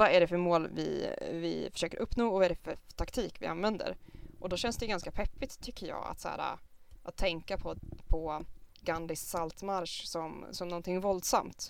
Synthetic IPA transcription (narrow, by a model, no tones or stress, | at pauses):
vaæɖɛfœɾmoːlvɪ̰vɪ̰fœ̥ʂøːkəɾʔɵpːnoːɔvaɛɖɛfœɾt̪ʰakt̪ʰiːkvɪ̰a̰nvɛnd̪ə̰ɾʔɔd̪ɔɕɛnsd̪ɛjɡanskapʰɛpːɪt̪ʰːʏkːəjɑ̰ːa̰t̪sæ̰ːɾa̰ʔat̪ʰːɛŋkapʰɔpʰɔɡand̪ɪsːalt̪maɾʂsɔmsɔmnɔnt̪ʰɪŋvɔld̪sa̰mt̪